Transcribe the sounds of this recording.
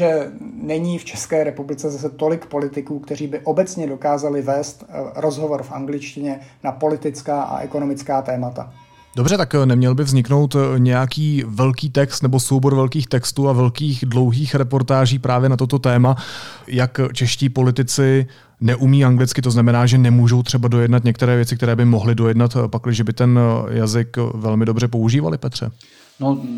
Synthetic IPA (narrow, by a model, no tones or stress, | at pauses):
ʒɛnɛɲiːft͡ʃɛ̥skɛːɾɛpublɪt͡sɛzas̬ɛt̪o̞lɪkpo̞lɪt̪ɪkuːkt̪ɛriːbɪʔobɛt͡sɲɛdo̞kaːzalɪvɛːst̪ɾozɦovoɾfʔaŋɡlɪt͡ʃcɪɲɛnapo̞lɪt̪ɪt͡skaːʔa̰ʔɛ̰konomɪt͡skaːt̪ɛːmat̪a̰ | do̞br̝ɛt̪aknɛmɲɛlbɪvzɲɪkno̞wt̪ɲɛjakiːvɛlkiːt̪ɛkst̪nɛbo̞sowbo̞ɾvɛlkiːxt̪ɛkst̪uːavɛlkiːxdlo̞wɦiːxɾɛpo̞ɾt̪aːʒiːpɾʔaːvjɛnat̪o̞t̪ot̪ɛːmajakt͡ʃɛʃciːpo̞lɪt̪ɪt͡sɪ | nɛʔumiːaŋɡlɪt͡skɪt̪oznamɛnaːʒɛnɛmuːʒo̞wt̪r̥ɛbado̞jɛdnat̪̬ɲɛk̚t̪ɛɾɛːvjɛt͡sɪkt̪ɛɾɛːbɪmo̞ɦlɪdo̞jɛdnat̪paklɪʒɛbɪt̪ɛnjazɪkvɛlmɪdo̞brɛp̬o̞uʒiːva̰lɪpɛt̪r̝̥ɛ̰ | no